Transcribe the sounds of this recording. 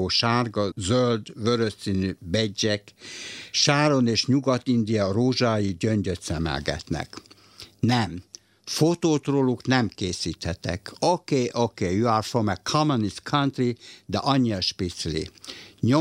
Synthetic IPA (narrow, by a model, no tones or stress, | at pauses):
oːʃaːrɡɒzøld̪vøɾøssiːnybɛɟːɛk | ʃaːɾo̞neːʃɲuɡɒt̪ind̪ijɒroːʒaːjiɟøɲɟøt̪sɛmɛ̰lɡɛ̰t̪nɛ̰k | nɛm | fot̪oːt̪roluknɛmkeːsiːt̪hɛt̪ɛ̰kokeːʔokeːjuafomɛkʰɒmoniskʰant̪rid̪ɛ̰ʔɒɲːiɒʃpit̪slḭɲo